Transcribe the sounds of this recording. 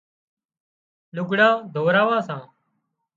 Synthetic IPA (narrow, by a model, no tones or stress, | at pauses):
lʊɡɽãːd̪ʱoːɾaːʋãːsãː